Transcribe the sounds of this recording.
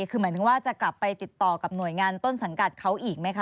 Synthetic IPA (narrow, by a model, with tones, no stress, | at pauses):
kʰɯː˧mɯ˦t̪ʰɯ˩˦waː˥˩t͡ɕa˨˩kla˨˩pːa˧jt̪i˨˩t̪ːɔː˨˩ka˨˩p̚nu˨˩əjŋaː˧nt̪o˥˩nsa˩˦ŋka˨˩t̪̚kʰa˦˥wʔiː˨˩k̚ma˦˥jkʰa˦˥